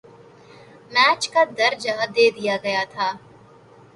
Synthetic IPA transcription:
mɛːt͡ʃkad̪ɐɾd͡ʒaɦad̪eːd̪ijaɡɐjat̪ʰaː

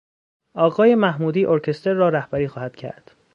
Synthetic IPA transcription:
ʔɒːɣɒːje̞mæhmuːd̪iːʔoɾcʰe̞st̪ʰeɾːɒːɾæhbæɾiːxɒːhæd̪̥cʰæ̰ɾd̪̥

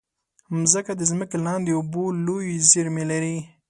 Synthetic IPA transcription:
mzəkad̪əzməkelɑnd̪eubolojziɾmelaɾi

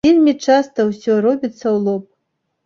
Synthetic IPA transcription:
elʲmʲit͡ʂast̪ɐwsʲɔɾɔbʲit̪sːɐwlˠɔp̚

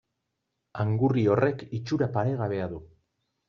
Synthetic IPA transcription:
aŋɡurio̞re̞kit͡ʃuɾapaɾe̞ɣaβ̞e̞aðu

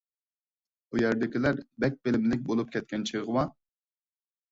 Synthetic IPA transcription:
ujɛɾd̪ɪkʲilæɾbɛk̚ʲbɪlɪmlɪk̚ʲbolˠup̚kʲʰɛt̪̚kʲɛnt͡ʃʰəʁəwɑ

